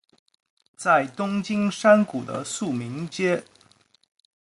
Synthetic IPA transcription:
t͡sa˥˩ɪt̪ʊ˥ŋt͡ɕi˥ŋʂa˥nku˨˩d̪ə̰˦su˥˩mi˧˥ŋt͡ɕjɛ˥

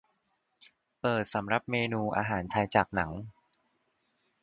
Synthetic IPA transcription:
pɤː˨˩t̪̚sa˩˦mɾa˨˩p̚meː˧nuː˧ʔa̰ː˧ɦaː˩˦nt͡ɕʰa˧jt͡ɕaː˨˩k̚na˩˦ŋ

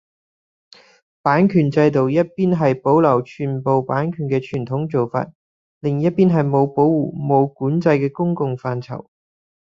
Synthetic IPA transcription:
paː˨˥nkʰyː˨˩nt͡sɐ˧jt̪o˨wjɐ˥t̚piː˥nɦɐ˨jpo˨˥wlɐ˨˩wt͡ʃʰyː˨˩npo˨wpaː˨˥nkʰyː˨˩nkɛː˧t͡ʃʰyː˨˩nt̪ʰʊ˨˥ŋt͡so˨wfa̰ː˧t̚ | lɪ˨˩ŋjɐ˥t̚piː˥nɦɐ˨jmo˨˧wpo˨˥wuː˨mo˨˧wkuː˨˥nt͡sɐ˧jkɛː˧kʊ˥ŋkʊ˧ŋfaː˧nt͡sʰɐ̰˨˩w

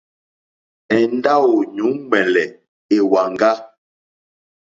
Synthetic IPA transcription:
ɛ˨n˦da˦wo˨ɲu˨˦ɡ͡bɛ˨lɛ˨ | e˨wa˨ŋ˦ɡa˦

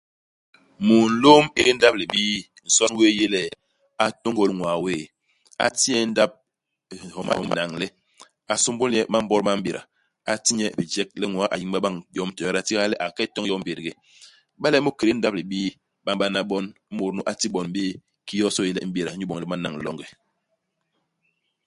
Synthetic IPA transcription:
mo˨n̩˨˦lo˦mi˦ɾi˦n̩˦da˦p̚li˨ɓiː˦ | n̩˨sɔ˦n˦weː˦je˦lɛ˦˨ | a˨to˦ŋɡo˦˨lŋwa˨weː˦˨ | a̰˨ti˦ɛ˦n̩˦da˦p̚ | hɔ˨ma̰˦˨na˨ŋlɛ˦ | a˨so˦mbo˦ljɛ˦ma˦m̩˦bɔ˦ɾma˦m̩˦bi˨ɾʔa̰˨ | a˨ti˦ɲɛ˦˨bi˨d͡ʒɛ˦k̚lɛ˦ŋwa˨˦ʔa̰˨ji˦ŋɓa˦ɓa˦ŋjɔ˦mtɔ˨˦ɾa˨ti˦ɣa˦lɛ˦ʔa˨kɛ˦tɔ˦ŋ˦jɔ˦m̩˦be˨ɾɡe˨ | ɓa˦lɛ˦mo˦ke˨ɾe˦n̩˦da˦p̚li˨ɓiː˦ | ɓa˦ŋɓa˦na˦ɓɔ˦n̩˦mo˨ɾnu˦ʔa˨ti˦ɓɔ˨n˦e˦ | ki˦jɔ˦sɔ˦je˦lɛ˨m̩˦ɓe˦˨ɾa˨˦d͡ʒu˦ɓɔ˨ŋ˨ɛ˦ma˦na̰˨ŋ̩˨lɔ̰˦ŋɡɛ˨

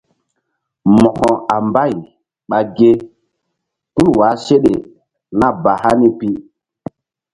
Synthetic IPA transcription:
mɔ˨hɔ̃˨a˨mba˦˨j | ɓa˨ɡe˦ | ku˦lwa˨˦se˦ɗe˨ | na˦ba˨ha˦ni˦pi˦

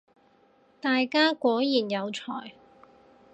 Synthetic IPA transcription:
t̪aː˨jkaː˥kʷɔː˨˥jjiː˨˩njɐ˨˧wt͡sʰɔ̰ː˨˩j

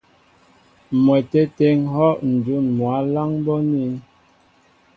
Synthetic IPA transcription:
mwɛ˨tɛ˦te˦ŋɦɔ˦ʔn̩˨du˦˨nmwa˨˦la˦ŋbɔ˦ni˦n

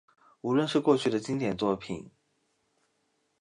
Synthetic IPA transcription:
u˧˥lwə˥˧nʂɻ̩˥˧kwɔ˥˧t͡ɕʰy˥˩d̪ə˩t͡ɕi˥ŋt̪jɛ˨˩nt͡swɔ˥˧pʰi˨˩˦n

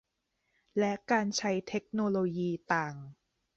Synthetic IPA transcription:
lɛ˦˥ʔkaː˧nt͡ɕʰa˦˥jt̪ʰe˦˥k̚noː˧loː˧jiː˧t̪aː˨˩ŋ

